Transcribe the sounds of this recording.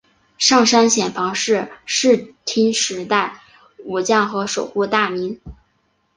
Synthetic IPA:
ʂɑ˥˩ŋʂa˥nɕjɛ˨˩nfɑ˧˥ŋʂɻ̩˥˧ʂɻ̩˥˩t̪ʰi˥nʂɻ̩˧˥t̪a˥˩ɪ | u˨˩t͡ɕjɑ˥˩ŋxɤ˧˥ʂo˨˩ʊku˥˧t̪a˥˩mi˧˥n

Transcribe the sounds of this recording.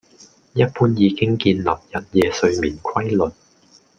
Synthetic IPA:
jɐ˦˥t̚puː˥njiː˨˧kɪ˥ŋkiː˧nlɐ˨˩p̚jɐ˨˩t̚jɛː˨˧sɵ˧ɥmiː˨˩nkʰɐ˥jlɵ˨n̚

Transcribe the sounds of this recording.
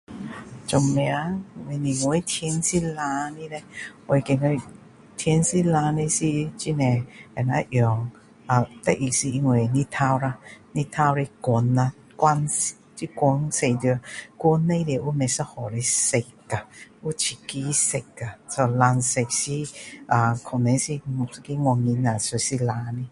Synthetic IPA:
t͡ɕɔ˧˩mmẽ˧a˧˦˨we˧nĩ˨ŋ˧e˧˦t̪ʰɛ˧˦nsi˦lã˧nĩ˦˧le˧we˨˧jke˨˧ŋe˧˦ | t̪ʰjɛ˧nsi˦lã˧ne˧si˧t͡ɕi˧nẽ˨˩a˨˩na˧˦ʔjɔ˨˩ŋ | a˨t̪a˧ʔi˨ksi˧i˧ŋwe˨nĩ˧t̪ʰa˧wɾa˧nĩ˧t̪ʰa˧wɾe˧kɔ˧˩na˧ | kwa˧nst͡ɕi˦kʷɔ˧˦nse˧˨d̪u˧˨ku˧˦nːẽ˧dʔu˦mɛ˨˧sa˧hɔ˨˩ɾe˧se˧ka˨u˦t͡ɕʰi˨˩ki˧˦se˧ka˨sɔ˧la˧nse˧k̚si˦ʔa˨˧kʰɔ˨˩nɛ˨˧˦si˧˨ski˦ŋwʷa˧ŋi˧na˨so˨˧˩si˦la˧ni˧

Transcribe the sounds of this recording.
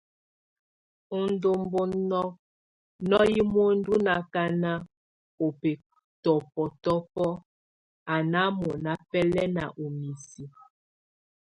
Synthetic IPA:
u˨n˦do˦m˦bo˦nnɔ˦ | nɔ˦ji˦mo˦n̩˦du˦na˨ka˦na˦ | o˨pe˨ | tɔ˨pɔ˨tɔ˦pɔ˦ | a˨na˦mo˨na˦pɛ˦lɛ˦na̰˨ʔo˨mi˨si˨

